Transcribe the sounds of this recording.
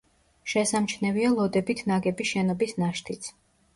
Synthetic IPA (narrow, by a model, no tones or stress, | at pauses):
ʃɛsamt͡ʃʰnɛvialˠɔd̪ɛbit̪ʰnaɡɛbiʃɛnɔbisnaʃt̪ʰit̪sʰ